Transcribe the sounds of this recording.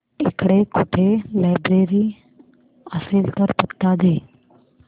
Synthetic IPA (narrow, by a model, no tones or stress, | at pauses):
ɪkɽekʊʈʰelaːɪbɾeːɾiː | əseːlt̪əɾpət̪ːad̪eː